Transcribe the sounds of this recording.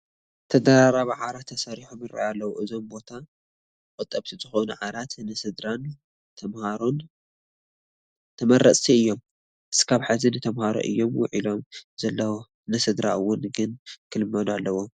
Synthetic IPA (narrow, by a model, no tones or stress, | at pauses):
t̪ʰɐd̪ɐɾaɾaβaʕaɾat̪ʰːɐsaɾiħomɨɾa̰jalːɐwuʔɨzo̞mbo̞t̪ʰa | kʼɨt̪ʼːɐβt̪ʰizɨxonuʕaɾat̪nɨsɨd̪ɾan | t̪ʰɐmhaɾon | t̪ʰɐmɐɾɐsʼiɨjːo̞m | ʔɨskʰaβħazinɨt̪ʰɐmhaɾo̰ʔɨ̰jːo̞mwʊʕilo̞mzɐlːɐwo | nɨsɨd̪ɾa̰ɨwːʊnɡɨnkʰɨlɨmːɐd̪ualːɐwo̞